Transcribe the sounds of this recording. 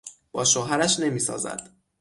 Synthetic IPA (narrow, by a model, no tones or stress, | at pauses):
b̥ɒːʃoɦæɾæʃne̞miːsɒ̰ːzæ̰d̪̥